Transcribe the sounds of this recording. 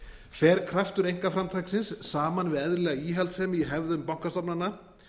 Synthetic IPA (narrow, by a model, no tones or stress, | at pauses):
fɛːɾ̥kʰɾaft̪ʏɾejŋ̥kafɾamt̪ʰajksɪnsːaːmanvɪðɛðlɛɣaiːɦɛlt̪sɛːmɪiɦɛvðʏmpawŋkast̪ɔpnanːa